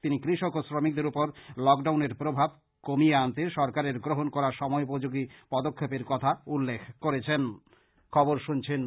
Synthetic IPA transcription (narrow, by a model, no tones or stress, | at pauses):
t̪inikɾiʃokosɾomik̚d̪eɾupoɾlɔkɖawneɾpɾobʱab̚ | komijeant̪eʃɔɾkaɾeɾɡɾoɦonkɔɾaɾʃɔmɔeupod͡ʑoɡipɔd̪okʰːopeɾkɔt̪ʰaulːekʰkoɾet͡ɕʰen | kʰɔboɾʃunt͡ɕʰen